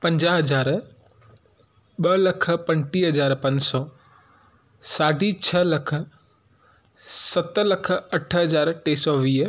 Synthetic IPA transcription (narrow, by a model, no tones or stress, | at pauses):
pɐ̃ɲd͡ʒaɦɐd͡ʒaːɾ | ɓəlɐk̆ʰpɐ̃nʈiɦɐd͡ʒaːɾpɐ̃ɲd͡ʑsɔː | saːɖʱit͡ʃʰəlɐkʰə̆ | sɐt̪lɐk̆ʰɐʈʰɦɐzaːɾʈeːsɔʋiː